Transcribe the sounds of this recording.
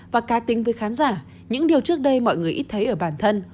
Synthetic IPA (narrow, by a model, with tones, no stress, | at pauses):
vaː˨˩kaː˨˦t̪ï˨˦ŋ̟vəː˨˦jxaː˨˦nzaː˧˩ | ɲɨ̰˧˥ŋɗi˨˩əwt͡ɕɨ˦˥ək̚ɗə˧jmɔ̰˧˨jŋɨ˨˩əjʔi˦˥t̚t̪ʰə˨˦jʔəː˧˩ɓaː˧˩nt̪ʰə˧n